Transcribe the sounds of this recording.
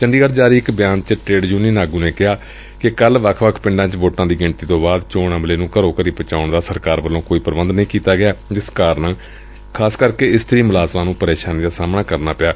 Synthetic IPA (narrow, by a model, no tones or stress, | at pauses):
t͡ʃəɳɖiːkəɾd͡ʒaːɾiːɪkbɪjãːnt͡ʃəʈɾeːɖd͡ʒuːniːnaːɡũːneːkɪɦaː | kɪkəlʋəkʰʋəkʰpɪ̃ɳɖãːt͡ʃʋoːʈãːd̪iːɡɪɳt̪iːt̪õːbaːd̪t͡ʃoːɳəmleːnũːkəɾõːkəɾiːpət͡ʃaːʊɳd̪aːsəɾkaːɾbəlːõːkoːiːpəɾbənd̪nəĩːkiːt̪aːɡɪjaːd͡ʒɪskaːɾnː | kʰaːskəɾkeːɪst̪əɾiːmʊlaːzmãːnũːpəɾeːʃaːniːd̪aːsaːmɳaːkəɾnaːpɪjaː